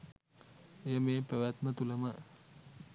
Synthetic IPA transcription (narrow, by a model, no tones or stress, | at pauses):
ejəmeːpəʋæt̪mət̪uləmə